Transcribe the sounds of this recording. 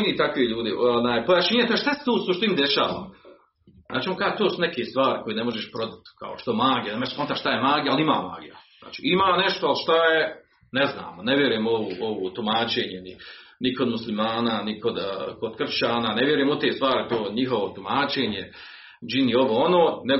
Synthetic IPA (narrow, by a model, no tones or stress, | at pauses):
nit̪akʋiʎuːd̪iʔonaːjpojaʃiːɲet̪aʃt̪ase̥t̪uːsuʃt̪ind̪eʃa̰ːʋa̰ːm | zʔa̰ːt͡ʃiomokaːʒt̪oːsunekest̪ʋaːɾiko̞jenemo̞ʒeʃpɾo̞d̪at̪kʰa̰oʃt̪omaːɡjenamespont̪aʃt̪ajemaːɡijalima̰ːma̰ːɡḭjaza̰ːt͡ʃḭːimaːneʃt̪oalʃt̪aje | nezna̰ːmoneʋje̞ɾujemoʋoːʔoʋoːt̪umaːt͡ʃeːɲeniniko̞d̪muslimaːnaːniko̞d̪kod̪̚kr̩t͡ʃaːnaːneʋjeɾujemut̪eːst̪ʋaːɾit̪oːɲiɦoʋot̪umaːt͡ʃeːɲe | d͡ʒinio̞ʋoːonoːne